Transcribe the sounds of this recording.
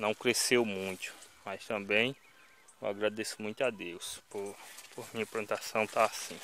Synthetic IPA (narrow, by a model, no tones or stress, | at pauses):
nɐ̃w̃kɾesewmũj̃t̪ʊ̥mast̪ɐ̃mbẽj̃ | ewaɡɾad̪esʊ̥mũj̃t̪ʊad̪ewspoɾpoɾmĩɲɐplɐ̃t̪asɐ̃w̃t̪aasĩ